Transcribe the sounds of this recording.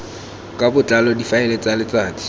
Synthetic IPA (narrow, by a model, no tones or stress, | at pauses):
kʼabʊt͡ɬʼalɔdifaɛlet͡salɪt͡saːdi̥